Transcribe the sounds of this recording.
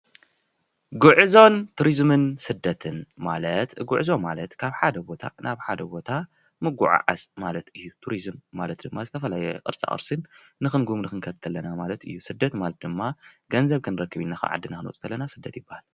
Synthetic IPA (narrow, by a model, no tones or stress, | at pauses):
ɡuʕɨzo̞nt̪ʰuɾizmɨnsɨd̪ːɐt̪ʰɨnmalɐt̪ɡuʕɨzo̞malɐt̪kʰaβħad̪ɐbo̞t̪ʰa̰nʔaβħad̪ɐbo̞t̪ʰa | mɨɡuʕa̰ʕa̰smalɐt̪ɨjːut̪ʰuɾizɨmːalɐt̪̚d̪ɨmːazɨt̪ʰɐfɐlajɛkʼɨ̰ɾt͡sʼa̰ʔʼɨ̰ɾsɨnː | ɨxɨnɡumnɨxɨnkʰɐɾt̪ʰːɐlːɐnamalɐt̪ɨ̰jːusɨd̪ːɐt̪malɐt̪̚d̪ɨmːaɡɐnzɐβkʰɨnɨɾɐkːɨβinːaxɐ̰ʕa̰d̪ːɨnakɨnṵt͡sʼt̪ʰɐlːɐnasɨd̪ːɐt̪jɪbːahal